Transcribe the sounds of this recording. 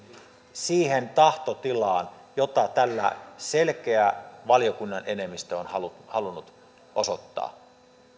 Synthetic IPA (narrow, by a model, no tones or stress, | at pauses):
siːhent̪ɑht̪ot̪ilɑːnjot̪ɑt̪ælːæ̰selk̟eæʋɑlijokunːɑnʔe̞ne̞mːist̪æonhɑluhɑlunːut̪ | ʔosot̪ːɑ̰ː